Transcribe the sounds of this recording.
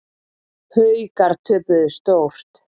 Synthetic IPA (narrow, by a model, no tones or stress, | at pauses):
hœɥkaɾ̥t̪ʰʏːpʏðʏst̪owr̥t̪